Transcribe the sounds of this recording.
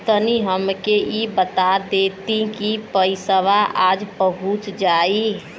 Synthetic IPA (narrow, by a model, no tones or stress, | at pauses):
t̪əniɦəmkeibət̪ad̪et̪ĩkipəɪsəʋaʔaːd͡ʒpəɦut͡ʃd͡ʒai